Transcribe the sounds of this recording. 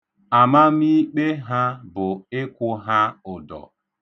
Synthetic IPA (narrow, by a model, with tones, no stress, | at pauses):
a˨ma˦m˦i˦k͡pe˦ɦa˦bʊ˨ɪ˦kʷʊ˦ɦa˦ʊ˨dɔ̰˨